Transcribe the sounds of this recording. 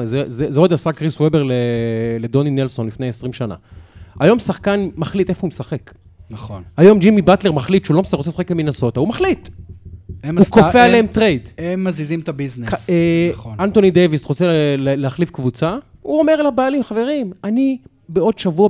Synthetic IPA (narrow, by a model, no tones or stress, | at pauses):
zezezeod̪asakʁiswebeʁleled̪o̞ninelso̞nlifnejesʁimʃana̰ajo̞msaχkanmaχlit̪e̞foumesaχe̞k | naχonhajo̞md͡ʒimibat̪le̞ʁmaχlit̪ʃulo̞msaʁot͡sesaχek̚beminaso̞t̪aumaχlit̪ | emukofealeemt̪ʁejd̪emːazizimt̪abizneonant̪o̞nid̪evisʁo̞t͡selleaχlifkvut͡sauo̞me̞ʁelabaːlimχave̞ʁimani | beo̞d̪ʃavua